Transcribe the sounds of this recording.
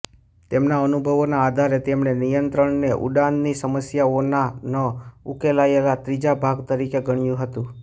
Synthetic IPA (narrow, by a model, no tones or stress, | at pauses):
t̪emnaənubʱəʋonaːd̪ʱaɾet̪emnenijənt̪ɾəɳneʔṵɖãnd̪nisəməsjaonanəukelaelat̪ɾid͡ʒabʱaɡt̪əɾikeɡəɳ̃ijũɦət̪ũ